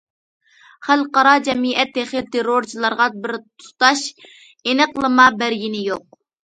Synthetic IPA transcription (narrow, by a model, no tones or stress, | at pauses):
χælqɑɾɑd͡ʒɛmiʔɛt̪ʰːeχɪlt̪ʰeɾoɾt͡ʃʰilˠɑɾʁɑbɪɾt̪ʰu̥t̪ɑʃ | enɨqlˠɨmɑbæɾɡʲinɪjoq̚